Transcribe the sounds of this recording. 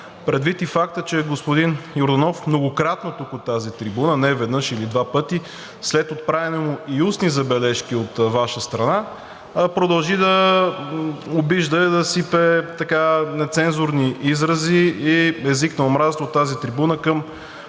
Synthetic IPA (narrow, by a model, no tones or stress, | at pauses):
pɾɛd̪vit̪ifak̚t̪ət͡ʃɛɡospʊd̪injoɾd̪ɐnɔfmnoɡokɾat̪not̪okot̪ːazit̪ɾibunənɛvɛd̪nɤʃilid̪vapɤt̪i | slɛt̪ot̪̚pɾavʲɛnɛmʊiusnizɐbɛlɛʃkiot̪vaʃəst̪ɾɐna | pɾod̪ɐlˠʒid̪ɐ | obiʒd̪əd̪ɐsipɛt̪ɐkanɛt̪sɛnzʊɾniizɾəziiɛziknɐomɾazst̪vot̪ːazit̪ɾibunəkəm